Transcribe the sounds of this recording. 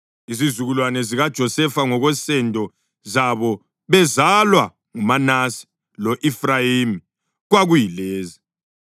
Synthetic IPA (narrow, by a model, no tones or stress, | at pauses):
izizuɣulwanɛziɣad̥ʒ̥ʱɔsɛfaŋɔɣɔsɛndʱɔ | zaβɔ | βɛzalwa | ŋumanasi̥ | lɔʔifrajiːmi | ɣwaɣujileːzi